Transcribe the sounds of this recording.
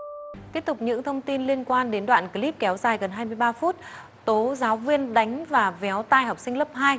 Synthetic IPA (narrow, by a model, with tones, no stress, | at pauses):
t̪i˦˥əp̚t̪ʊ˨˩k͡p̚ɲɨ̰˧˥ŋt̪ʰə˧wŋ͡mt̪i˧nli˧ənkwaː˧nɗe˨˦nɗwa̰ː˧˨nki˨˦li˦˥p̚kɛ˨˦wzaː˨˩jɣə˨˩nɦaː˧jmɨ˧əjɓaː˧fu˦˥t̚ | t̪o˨˦zaː˨˦wvi˧ənɗa˨˦jŋ̟vaː˨˩vɛ˨˦wt̪aː˧jɦɔ˨˩k͡p̚sï˧ŋ̟lə˦˥p̚haː˧j